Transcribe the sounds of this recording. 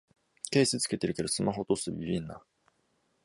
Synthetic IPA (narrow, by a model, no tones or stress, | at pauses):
keːsɨt͡sɨ̥ke̞t̪e̞ɾɯ̟ke̞d̪o̞sɨmaɦo̞t̪osɨbʲibʲinːa̰